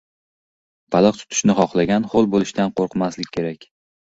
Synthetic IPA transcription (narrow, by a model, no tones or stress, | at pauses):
bʰɑlˠɨq̚t̪ʰʊ̥t̪ʰɪ̥ʃnɪχɒχlˠaɡʲanχolˠbolˠɪʃt̪anqʰoɾqmaslɪkʲkʰːe̞ɾakʲ